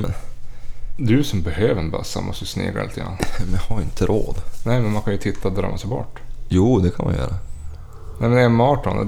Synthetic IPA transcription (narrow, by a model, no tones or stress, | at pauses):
ɛ | d̪ɵsɔmbɛhøːvəɾnba̰sːa̰mʔɔ̰st̪əsnḛːɡa̰lɪ̰t̪əɡɾa̰nːmɛhaɾɪnt̪əɾʔoːd̪nɛjmɛnmankʰanjɵt̪ʰɪt̪ʰːad̪ɾœ̰ːmːasɛjbɔ̰ʈːjuːd̪ɛkʰanma̰nj̰œ̰ːɾa | nɛɪmɛnɛmɑːʈɔnɛ̰